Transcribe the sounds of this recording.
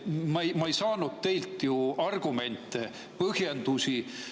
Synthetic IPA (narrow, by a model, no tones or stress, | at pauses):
mɑejmɑejsɑːnud̪̥̚t̪e̞jlt̪ːˑjuɑrɡ̥ume̞nt̪ːˑe | pɤhjend̪usi